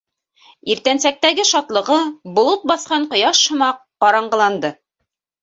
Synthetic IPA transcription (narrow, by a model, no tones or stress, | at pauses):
iɾt̪ænsæk̚t̪æɡɘʃɑt̪lˠɤ̆ʁɤbŏlˠɤt̪̚bɑθqɑɴqŏjɑʃhŏmɑq̚qɑɾɑɴɢɤ̆lˠɑnd̪ɤ